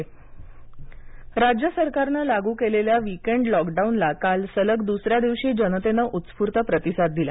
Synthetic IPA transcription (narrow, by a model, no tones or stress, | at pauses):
ɾad͡ʑjəsəɾkaɾnalaɡuːkeleljaʋikeɳɖlɔkɖaunlakalsələkd̪usɾjad̪iʋɕiːd͡ʑənət̪enəʔut̪spuɾt̪əpɾət̪isad̪̚d̪ila